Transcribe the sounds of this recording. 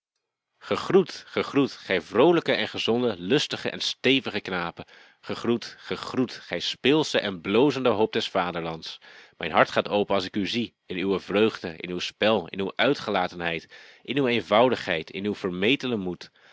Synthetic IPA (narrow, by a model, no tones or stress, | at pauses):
χəχrutχəχrutχɛjvrowləkəʔɛnχəzɔndəlɵstəχə̰ʔɛ̰nstejvəχəknaːpə | χəχrutχəχrutχɛjspɪlˠsəʔɛnblowzəndəɦowp̚dɛsfaːdəɹlɑntsmɛjnɦɑɹtχaːtowpənɑlˠs̬ɪkyzi | ɪnywəvrøɥχdəʔɪ̰nywspɛlˠɪ̰nywʔœɥtχəlaːtənɦɛjtʔɪnywejnvɑwdəχɦɛjtʰɪ̰nywv̥əɹmejtənəmut